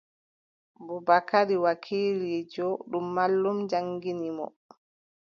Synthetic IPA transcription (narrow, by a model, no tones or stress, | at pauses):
bubakaɾiwakʰiːlid͡ʒɔɗumːalːumd͡ʒaŋɡinimɔ̰